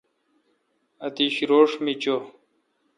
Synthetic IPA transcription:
ɐt̪iɕiɾoːʂmit͡ɕo

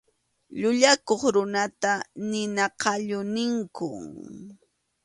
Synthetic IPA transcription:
ʎʊʎakoχɾʊnat̪anɪnɑqɑʎʊnɪŋkʊ̰

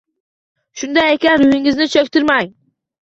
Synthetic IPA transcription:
ʃʊnd̪ajekʲanɾʊjɪŋɪznɪt͡ʃʰɒk̚ʲt̪ʰɪɾmaj

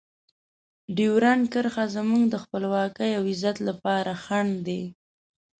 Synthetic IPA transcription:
ɖiwɾankəɾxazəmuŋɡd̪əxpəlwɑkəjawɪzat̪lapɑɾaxaɳd̪e

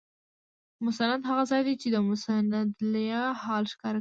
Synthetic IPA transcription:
mʊsanad̪ɦaɣazɑjd̪et͡ʃed̪əmʊsanad̪lajahɑlʃkɑɾa

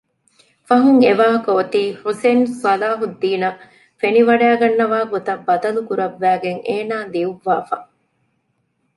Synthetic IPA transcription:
fɐɦuŋeʋaːɦɐkɐot̪iːhusensɐlaːɦud̪ːiːnɐ | feniʋɐɖæːɡɐnːɐʋaːɡot̪ɐbːɐd̪ɐlukuɾɐʋːæːɡeŋeːnaːd̪iuʋːaːfɐ

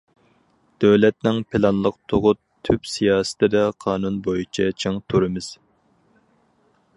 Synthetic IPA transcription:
d̪̥øwlɛt̪nɪŋpʰɪlɑnlˠəqt̪ʰoʁʊt̪ʰːypsijɑːsɨ̥t̪ʰɪd̪ɛqʰɑːnunbojit͡ʃʰɛt͡ʃʰeŋt̪ʰuɾɨmɪz̥

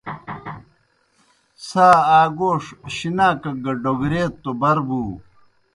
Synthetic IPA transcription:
saːaːɡoːʂɕinaːkɐɡɐɖoɡɾeːt̪ːobɐɾbuː

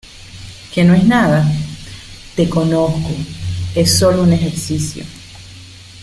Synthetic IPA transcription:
kenoe̞snaða | t̪e̞ko̞noskoe̞sːo̞loune̞xeɾsisjo̰

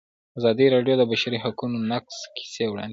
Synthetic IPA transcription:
azɑd̪iɾɑɖjod̪əbaʃaɾiɦakunonakskʰi̥sewɽɑ̰nd̪

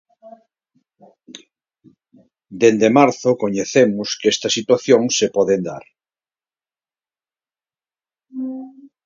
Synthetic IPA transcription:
d̪end̪emaɾθokoɲeθemʊskest̪asit̪waθjõŋsepɔðend̪a̰ɾ

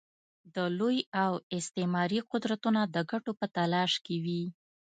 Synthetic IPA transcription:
d̪əlojawɪst̪emɑɾiqʊd̪ɾat̪unad̪əɡaʈopət̪alɑʃkewi

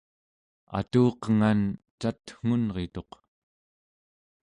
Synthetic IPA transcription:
a̰t̪uːqəŋant͡ʃat̪ŋ̥unʁet̪o̞q

